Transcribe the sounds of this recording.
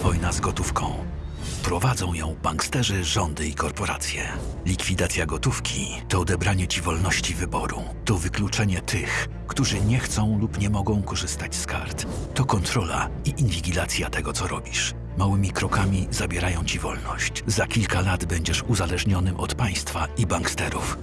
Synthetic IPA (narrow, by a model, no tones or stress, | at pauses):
vɔjnazɡɔt̪ufkɔ̃w̃ | pɾɔvad̪zɔ̃w̃jɔ̃w̃baŋkst̪ɛʐɘʐɔnd̪ɘikɔɾpɔɾa̰t̪sʲjɛlʲikfʲid̪at̪sʲjaɡɔt̪ufkʲi | t̪ɔːd̪ɛbɾaɲɛt͡ɕivɔlnɔɕt͡ɕivɘbɔɾṵ | t̪ɔvɘklut͡ʂɛɲɛt̪ʰɘx | kt̪uʐɘɲɛxt̪sɔ̃w̃lupɲɛmɔɡɔ̃w̃kɔʐɘst̪at͡ɕska̰ɾt̪ːɔkɔnt̪ɾɔla̰iʔinvʲiɡʲilat̪sʲjat̪ɛɡɔt̪sɔɾɔbʲiʂ | mawɘmʲikɾɔkamʲizabʲjɛɾajɔ̃w̃t͡ɕivɔlnɔɕt͡ɕzakʲilkalad̪bɛɲd͡ʑɛʂuzalɛʐɲɔnɘmʔɔt̪paj̃st̪faibaŋkst̪ɛɾuf